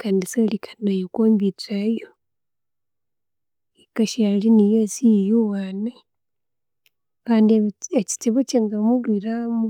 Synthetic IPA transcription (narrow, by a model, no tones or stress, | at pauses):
kaːndisalikʰḁnajokoːmbit͡sajo | ekaʃalinijosijijowana | kaːndieci̥teβoceŋɡamulwiɾamu